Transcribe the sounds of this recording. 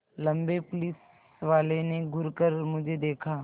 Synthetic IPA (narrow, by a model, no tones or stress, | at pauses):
lɐ̃mbepʊlis | ʋaːleneɡʱʊɾkəɾmʊd͡ʒʱed̪eːkʰaː